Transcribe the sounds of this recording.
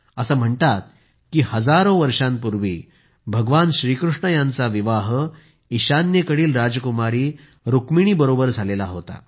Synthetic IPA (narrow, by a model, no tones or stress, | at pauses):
əsam̤əɳt̪at̪̚ | kiːhəd͡zaɾõʋəɾʂãmpuɾʋiː | bʱəɡʋanɕɾiːkɾuʂɳəjant͡saʋiʋaɦ | iɕanjekəɽiːlɾad͡zkumaɾiː | ɾukmiɽ̃iːbəɾobəɾd͡zʱalelaɦot̪a̰